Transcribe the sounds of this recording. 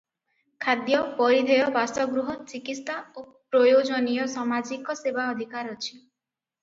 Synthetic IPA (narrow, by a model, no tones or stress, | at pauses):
kʰad̪jɔbɔjid̪ʱejɔbasɔɡɾuɦɔt͡ʃikit̪st̪ʰao | pɾɔjod͡ʒɔnijɔsamad͡ʒikɔsebaɔd̪ʱikaɾɔt͡ʃʰi̥